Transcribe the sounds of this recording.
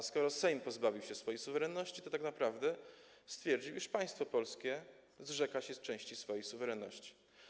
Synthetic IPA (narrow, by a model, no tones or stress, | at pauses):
skɔɾɔsɛjmpɔzbavʲiwɕɛsfɔjesuvɛɾɛnːɔɕt͡ɕit̪ɔt̪aknapɾavd̪ɛ | st̪fʲjɛɾd͡ʑiwʔiʂpaj̃st̪fɔpɔlskʲɛ | zʐɛkaɕɛst͡ʂɛ̃w̃ɕt͡ɕisfɔjejsuvɛɾɛnːɔɕt͡ɕi̥